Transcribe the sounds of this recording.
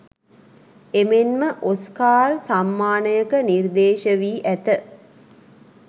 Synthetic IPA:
emenməʔoskaːɾsamːaːnəjəkənird̪eːʃəʋiːʔæt̪ə

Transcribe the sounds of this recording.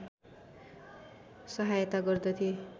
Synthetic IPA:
sʌɦajt̪aɡʌrd̪ʌt̪ʰie

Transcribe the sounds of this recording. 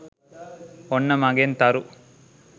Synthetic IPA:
ɔɳːɐmaːɡeːnt̪aːɾu

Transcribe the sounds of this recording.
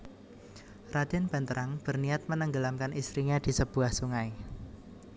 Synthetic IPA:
rad̪̥ɛ̤nb̥a̤nt̪əɾʔaŋb̥ə̤rniat̪̚mənəŋɡəlamkanist̪ɾiɲad̪̥i̤səb̥uahsuŋaj

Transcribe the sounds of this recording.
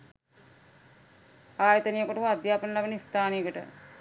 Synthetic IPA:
aːjɐt̪ɐnijɐkɐʈɐad̪jaːpɐnɐlɐʋɐnist̪ʰaːnijɐkɐʈə̰

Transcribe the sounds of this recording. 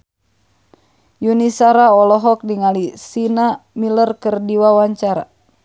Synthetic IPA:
junisaɾaɔlɔɦɔk̚diŋalisinamilərkərdiwawaɲt͡ʃaɾa̰

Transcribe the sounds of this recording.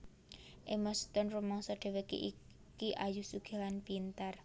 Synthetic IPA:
ʔemɔst̪ɔnrumɔŋsɔɖ̥ɛ̤wekḭʔi | kiʔajusuɡ̥e̤lanpint̪ar

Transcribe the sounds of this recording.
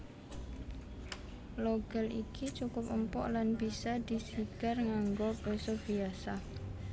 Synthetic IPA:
loɡalʔikʰit͡ʃukʊpəmpɔ̰ʔlanbisad̪isiɡ̥arŋaŋɡɔb̥esɔb̥iasa

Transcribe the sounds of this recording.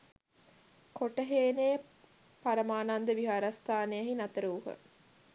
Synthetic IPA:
koʈəɦeːneː | paɾəmaːnand̪əʋiɦaɾast̪ʰaːnejɐɦinɐt̪əɾuːɦə̰

